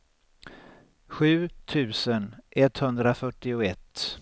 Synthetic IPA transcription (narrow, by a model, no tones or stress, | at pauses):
ɧʉ̟ːt̪ʰʉ̟ːsənʔɛt̪hɵnd̪ɾafœʈːɪʊɛt̪ː